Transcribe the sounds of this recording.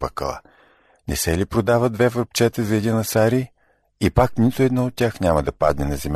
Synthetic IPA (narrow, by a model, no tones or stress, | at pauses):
pəkə̰lˠa̰ | nɛ̰sɛlipɾod̪avəd̪vɛvəɾp̚t͡ʃɛt̪əzɐɛd̪inɐsaɾi | ipaknit̪oɛd̪nɔot̪̚ːʲjaxnʲamɐd̪ɐpad̪nɛnɐzɛmʲ